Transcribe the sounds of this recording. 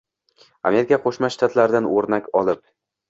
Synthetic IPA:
a̰me̞ɾɪkʰʲaqʰoʃmaʃːt̪at̪laɾɪd̪anoɾnakʲɒlˠɪp̚

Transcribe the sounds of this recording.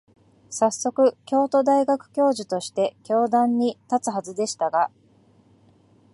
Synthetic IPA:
sasːo̞kɯ̟kʲo̞ːt̪o̞d̪aiɡakɯ̟̥kʲo̞ːʑit̪o̞ɕi̥t̪e̞kʲo̞ːd̪ãɲ̟ːit̪at͡sɨɦazɨd̪e̞ɕi̥t̪aɡa

